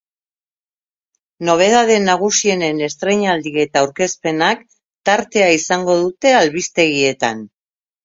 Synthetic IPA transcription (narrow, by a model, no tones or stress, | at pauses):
no̞β̞e̞ð̞aðe̞naɣ̞usie̞ne̞ne̞st̪ɾe̞ɲald̪ie̞t̪aːwɾke̞spe̞nak | t̪aɾt̪e̞aisaŋɡo̞ðut̪e̞alβist̪e̞ɣie̞t̪a̰n